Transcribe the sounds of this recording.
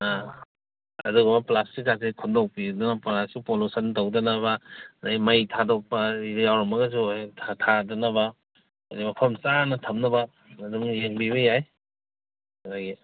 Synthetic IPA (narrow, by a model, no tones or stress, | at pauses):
a | ɐ̰duɡɐmɐplastikːasikʰundowk̚pidunapɾasupolusɐntowdɐnɐβɐnajmɐjtʰadok̚pɐidjawɾɐmɐɡɐs̬utʰatʰadɐnɐbɐ | adimɐpʰɐmsanɐtʰɐmnɐbɐ | mɐdumjeŋbiβɐjaj | adaɡi